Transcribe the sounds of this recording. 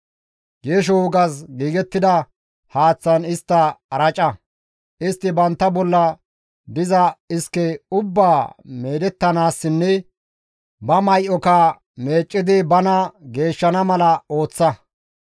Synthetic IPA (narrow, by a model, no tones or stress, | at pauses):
ɡeːʃ̬ɔwʊɡɐsɡiːɡɛt̪ːɪd̪ɐ | haːt͡sːɐnɪst̪ːɐɐɾɐt͡ʃʼɐ | ʔɪst̪ːɪbɐnt̪ːɐbɔlːɐ | d̪ɪzɐɪskːɛʊbːaːme̞ːd̪ɛt̪ːɐnaːsːɪnːɛ | bɐmɐjʔɔkɐ | me̞ːt͡ʃʼːɪd̪ɪbɐnɐɡe̞ːʃːɐnɐmɐlɐo̞ːt͡sːɐ